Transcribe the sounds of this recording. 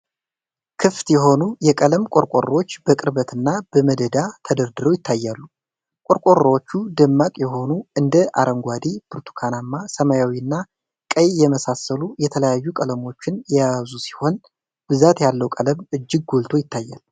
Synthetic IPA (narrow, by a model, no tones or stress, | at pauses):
kʰɨft̪jɛɦo̞nujɛkʼələmkʼo̞ɾkʼo̰rot͡ʃːb̥əkʼɨɾbət̪ɨnːab̥əməd̪əd̪at̪ʰəd̪əɾd̪ɨɾojɪt̪ʰːajːalːu | kʼo̞ɾkʼorwot͡ʃːud̪ɨmːakʼjɛɦo̞nuɨnd̪əʔa̰ɾʔəŋɡʷad̪ib̥ɨɾt̪ʰu̥kʰanamːasəmajawiɨnːa | kʼəjjɛməsasːəlujɛt̪ʰələjajːukʼələmo̞t͡ʃːɪnjɛjazusi̥ho̞n | b̥ɨzat̪jalːəwkʼələmɨd͡ʒːɪɡ̚ɡolt̪ʰo̞jɪt̪ʰːajːa̰l